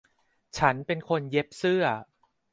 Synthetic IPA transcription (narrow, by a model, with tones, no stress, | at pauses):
t͡ɕʰa˦˥npe˧nkʰo˧nje˦˥p̚sɯ˥˩ɐ